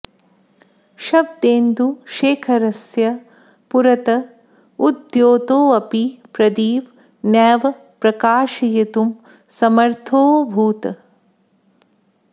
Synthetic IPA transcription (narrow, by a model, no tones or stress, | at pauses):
ʃɐb̚d̪eːnd̪uʃeːkʰɐɾɐsjɐ | puɾɐt̪ɐ | ud̪joːt̪oːɐpipɾɐd̪iːʋ | nɛːʋɐ | pɾɐkaːʃɐjɐt̪um | sɐmɐɾt̪ʰoːbʱuːt̪ɐ